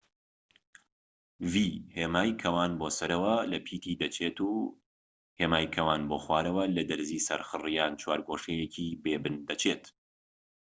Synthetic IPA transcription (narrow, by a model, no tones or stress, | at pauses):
viːheːmaːjkʰɐwaːnbosɐɾɐwɐlɐpʰiːt̪ʰiːd̪ɐt͡ʃʰeːt̪uː | heːmaːjkʰɐwaːnboːxwaːɾɐwɐlɐd̪ɨɾziːsɐ̰ɾxɨrijaːnt͡ʃʰwaːɾɡoːʃejecʰiːbeːbɨnd̪ɐt͡ʃʰeːt̪